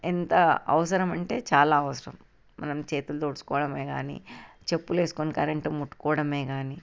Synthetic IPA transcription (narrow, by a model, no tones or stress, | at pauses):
int̪ɐɐʋɐsɐɾɐmɐɳʈe̞ːt͡ʃaːlaːɐʋɐsɐɾɐ̰m | mʔɐ̰nɐmt͡ʃe̞ːt̪ulɐt̪oɽsu̥kɔːʋɐɽɐme̞ːɡa̰ːnḭ | t͡ʃe̞pːule̞ːsu̥konikɐɾeɳʈɐmuʈːu̥kɔːɽɐme̞ːɡaːni